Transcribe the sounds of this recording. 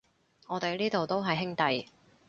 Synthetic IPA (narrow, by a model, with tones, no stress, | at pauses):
ŋɔː˨˧t̪e˨jliː˥t̪o˨wt̪o˥wɦɐ˨jɦɪ˥ŋt̪ɐ˨j